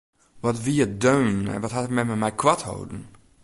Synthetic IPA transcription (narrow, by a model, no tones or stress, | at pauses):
ʋɔtʋiədøːnɛ̰nʋɔtɦatmɛmɛmɛjkʰwatho̰wdn̩